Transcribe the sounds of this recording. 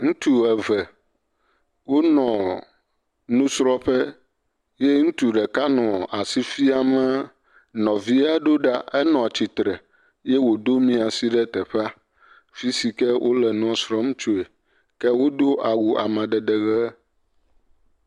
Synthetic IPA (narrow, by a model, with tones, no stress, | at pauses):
ŋũ˦t̪u˨ɛ˨vɛ˨ | wo˦nɔ̃˨ | nũ˦sɾɔ˦ɸɛ˦ | je˦ŋũ˦t̪u˨ɖɛ˨ka˦nɔ̃˨a˨si˦fi˦a˨mɛ˦ | nɔ̃˨vi˦a˦ɖo˦ɖa˦ɛ˦nɔ̃˨a˨t͡ɕi˨t̪ɾɛ˨ | jɛ˦wo˨d̪o˦mĩ˦a˨si˦ɖɛ˦t̪ɛ˨ɸɛ˦a˦ | fi˦si˨kɛ˦wʔo̰˦lɛ˨nũ˦a˨sɾɔ˦m˦t͡ʃo˨e˨ | kɛ˦wo˦d̪o˦ʔa˨wu˨a˨mã˨ɖɛ˨ɖɛ˨ɣɛ˦